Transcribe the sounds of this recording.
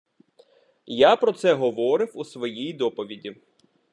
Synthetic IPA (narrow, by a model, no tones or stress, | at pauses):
japɾɔt̪sɛɦɔʋɔɾɪwusʋɔjijd̪ɔpɔʋʲidʲi